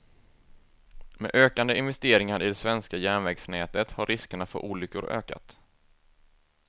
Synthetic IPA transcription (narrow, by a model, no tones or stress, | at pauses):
mɛ̰ʔøːkand̪əɪnvɛst̪eːɾɪŋaɾɪd̪ɛsvɛnskajæːɳvɛɡsnɛːt̪ət̪haɾːɪskəɳafɔ̰ɾʔuːlʏkːʊɾø̰ːka̰t̪